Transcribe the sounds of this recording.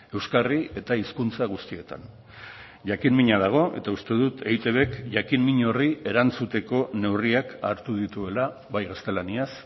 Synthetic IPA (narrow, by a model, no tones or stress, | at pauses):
e̞wskarie̞t̪aiskunt͡saɣ̞ust̪ie̞t̪a̰n | ʝakinmiɲað̞aɣ̞o̞ʔe̞t̪aust̪e̞ðut̪ʰe̞jt̪e̞βe̞kʝakimmiɲo̞rie̞ɾant͡sut̪e̞ko̞ne̞wriaka̰ɾt̪uð̞it̪ue̞la | βajɣast̪e̞lanias